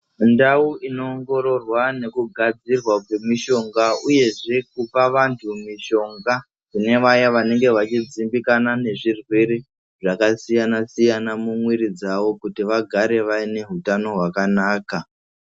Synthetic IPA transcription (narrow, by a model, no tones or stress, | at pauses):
ndauino̞ːŋɡo̞ɾo̞rwane̞kuɡʱad͡zirwakwe̞miʃo̞ŋɡauje̞ʐe̞k̚upaʋantʰumiʃo̞ŋɡa | kine̞ʋajaʋane̞ŋɡe̞ʋat͡ʃid͡zimbikanane̞ʐirweɾe | ʐakasijanasijanamumwiɾid͡zaʋo̞kutiʋaɡʱaɾe̞ʋaine̞ɦutano̞ɦwakanaːka